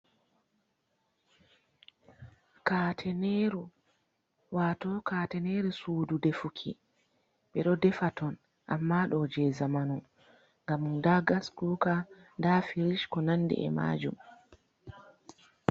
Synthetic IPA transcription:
kaːtʰɛneɾu | waːtɔkatɛneɾisuːdudɛfukʰḭ | ɓɛɗɔdɛfatɔn | ʔamːaɗɔd͡ʒɛzamanu | ŋɡamundaɡaskuːkandafiɾiʃkɔnandɛ̰ʔɛ̰ma̰ːd͡ʒum

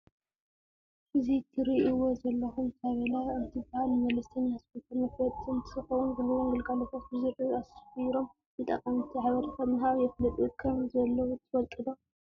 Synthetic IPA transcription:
ʔɨzit̪ʰɨɾiʔiwozɐlːɐxumt̪ʰaβɐlaɨnt̪ʰibahalmɐlɐst̪ʰɐɲasɨpet̪ʰɐnɨkɾɐt̪ʼɨnt̪ʰɨxɐwunbɨluwuŋɡɨlɡalot̪ʰat̪bɨziɾɨasxjɾo̞m | zɨt̪ʼɐ̰kʼːɐmit̪ʰiʕaβɐɾʰɐkɐmɨɦaβjɛflɐt̪ʼukʰɐmzɐlːɐwut̪ʰɨfɐlt̪ʼɨd̪o

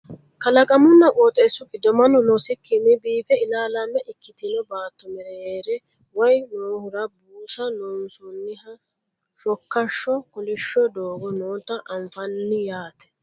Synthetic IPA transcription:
kɐlɐkʼɐmʊnːɐkʼoːt̪ʼesːʊɡɪd̪ɔmɐnɔnɔsɪkːɪnɪbiːfɛɪlaːlamːɛʔɪkːɪt̪ɪnɔbaːt̪ːɔmɛɾɛeːɾɛ | wɔjnoːhʊɾɐbuːsɐnoːnsʊnːɪhɐ | ʃɔkːɐʃːɔkʊlɪʃːɔd̪oːɡɔnoːt̪ɐʔɐɱfɐnːɪjaːt̪ɛ̥

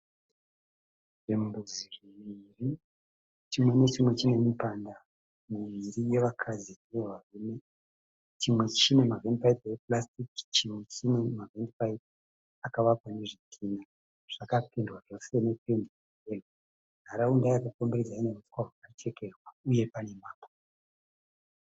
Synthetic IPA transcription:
ʐembuziriiri | t͡ʃimwe̞ne̞t͡ʃimwe̞t͡ʃine̞mipanda | muʋiɾije̞ʋakʰazinijoʋarune | t͡ʃimwe̞t͡ʃine̞mavendipaitjeplastikt͡ʃimwe̞t͡ʃimwe̞mavendipait | akaʋakwane̞ʐitʰiːna | ʐ̥akapindwaʐo̞se̞ne̞pendii | eno | ɦaɾaundajakakombirid͡zainerutkwaɦwakat͡ʃe̞ke̞rwauje̞pane̞maːpo̥

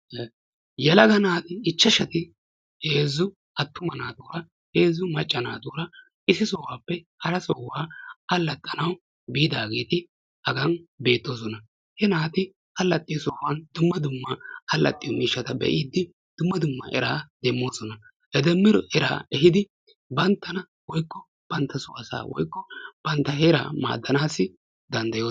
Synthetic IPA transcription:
jɛlɐɡɐnaːt̪ɪːt͡ʃːɐʃɐt̪ɪ | he̞ːzːʊ | ɐt̪ːʊmɐnaːd̪uːɾɐ | he̞ːzːʊmɐt͡ʃʼːɐna̰ːd̪uːɾɐ | ɪsɪsoːwaːpːɛ | hɐɾɐsɔwaːɐlːɐt̪ʼːɐnɐw | biːd̪aːɡeːt̪ɪ | ʔɐɡɐnbe̞ːt̪ːo̞ːs̬ɔnɐ | hɛnaːt̪ɪ | hɐlːɐt̪ʼːɪjɔsɔːwɐnd̪ʊmːɐd̪ʊmːɐhɐlːɐ̰t̪ʼːɪjɔmiːʃːɐt̪ɐbɛ̰ʔiːd̪ːɪ | d̪̥ʊmːɐd̪ʊmːɐ̰ʔɛɾaːd̪ɛmːo̞ːsɔnɐ | hɛd̪ɛmːɪɾɔʔɛɾa̰ːɛɦɪd̪ɪ | bɐnt̪ːɐnɐ | wɔjkːɔ | b̥ɐnt̪ːɐsʊwɐsa̰ːwɔ̰jkːɔb̥ɐnt̪ːɐɦeɾa̰ːma̰ːd̪ːɐnaːsːɪ | d̪ɐnd̪ɐjoː

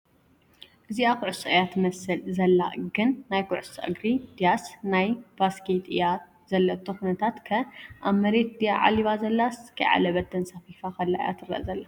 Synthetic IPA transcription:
ʔɨziakʊʕɨsɨʔɨjat̪mɐsɨlzɐlːa̰ʔɡɨnːajkʊʕʊsɐʔɨ̰ɡɾid̪̥ijasnajbaskit̪ʼɨjat̪ | z̥ɐlːɐbt̪ʰokunɐt̪ʰat̪kʰɐʔamɐɾet̪̚d̪ijaʕa̰liβazɐlːaskʰɐjʕa̰lɐβɐt̪ːɨnsɐfifaxɐlːaʔja̰t̪ʰɨɾɐ̰ʔzɐlːa

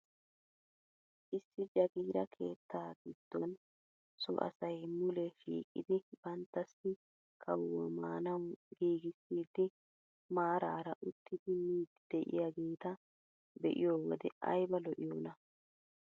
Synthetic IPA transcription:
ʔɪsːɪd͡ʒɐɡiːɾɐkʰe̞ːt̪ːaːɡid̪̥ːɔn | sɔ̰ʔɐ̰sɐjmʊlɛfḭːkʼːɪ̰d̪ɪb̥ɐnt̪ːɐsːɪ | kʰʼɐwwɐmaːnɐwɡiːɡɪsːiːd̪ɪ | maːɾaːɾɐʔʊt̪ʰːɪd̪ɪmiːd̪d̪̥ɛʔɪ̰jaɡeːt̪ɐ | bɛʔɪ̰joːwɔd̪ɛʔɐ̰jbɐlɔʔɪjoːnɐ

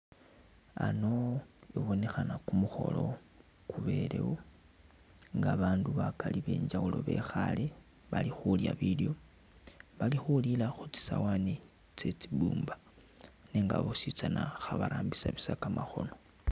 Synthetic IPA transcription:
ano̞iβo̞ne̞xanakumuxo̞̰lo̞ | kuβe̞le̞̰wo | ŋɡaβaːnduβakaliβe̞ːɲd͡ʒaulo̞̰βe̞xale | βalixulja̰βiljo̞ | βalixulilaxut͡si̥sawane | t͡se̞t͡sibuːmbḁ | neŋɡa̰βosit͡sanaxaβaɾaːmbisaβisakamaxo̞no̞

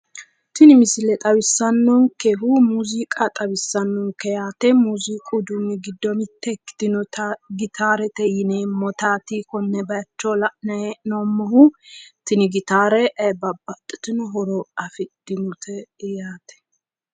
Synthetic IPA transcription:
t̪ɪnɪmɪsɪlɛt̪ʼɐwɪsːɐnːɔŋkɛɦumuːzikʼat̪ʼɐwɪsːɐnːɔŋkːɛjaːt̪ɛmuzikʼʊd̪ʊmːɪɡɪd̪ːɔmɪt̪ːɛkːɪ̥d̪̥ɪnɔtɡɪt̪ʰaːɾɛt̪ɛjɪneːmɔt̪aːt̪ikɔnːɛbɐjɐt͡ʃːoːlɐʔnɐɛnɔmːɐɦʊt̪ɪnɪɡɪt̪aːɾɛʔɐbɐbɐt̪ʼːɪ̥t̪ɪnɔɦɔɾɔɐfɪd̪̥ɪmʊt̪ʰɛjaːt̪ʰɛ̥

